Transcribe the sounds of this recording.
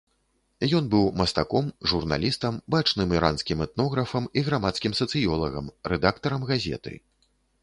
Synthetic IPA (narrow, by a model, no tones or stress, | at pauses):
jɔnbɨwmɐst̪akɔmʐurna̰lʲist̪ɐmbat͡ʂnɨmiɾʔanskʲimɛt̪̚nɔɣɾɐfɐmiɣɾamat̪skʲimsɐt̪sɨjɔlˠɐɣɐ̰mɾɛd̪akt̪ɐɾɐmɣazʲɛ̰t̪ɨ̰